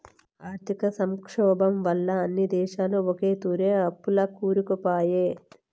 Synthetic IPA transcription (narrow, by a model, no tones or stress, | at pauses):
aːɾt̪ʰikɐsɐmkʂɔːbɐmʋɐlːɐɐnːid̪ɛːʃaːluɔke̞ːt̪uːɾeːɐpːulɐkuːɾukupaːjeː